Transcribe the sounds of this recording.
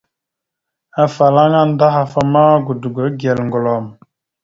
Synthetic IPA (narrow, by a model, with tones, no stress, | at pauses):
a˨fa˨la˦ŋa˦n˦da˦ɦa˨fa˦ma˦ɡu˨du˨ɡə˨˦ɡɛ˨lŋɡɔ˨lɔ˨m